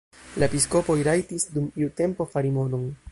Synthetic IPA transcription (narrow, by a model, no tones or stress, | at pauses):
laepisko̞po̞jɾajtisdumiute̞mpo̞faɾimo̞no̞n